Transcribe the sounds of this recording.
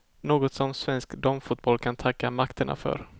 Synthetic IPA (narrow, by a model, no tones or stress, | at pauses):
noːɡɔt̪sɔmsvɛnskd̪ɔmfʊt̪̚bɔlːkʰant̪ʰakːamakt̪əɳa̰fœ̰ɾ